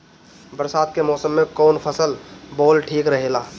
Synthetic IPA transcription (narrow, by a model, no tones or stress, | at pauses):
bəɾsaːd̪̚kemɔːsəmːẽkɔːnpʰəsəlboːlʈʰiːkɾəɦeːlaː